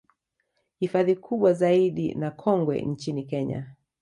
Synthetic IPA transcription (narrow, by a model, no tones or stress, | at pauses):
hifaðikʰuɓwazaiɗḭnakʰɔŋɡwɛ̰nt͡ʃinikɛɲa̰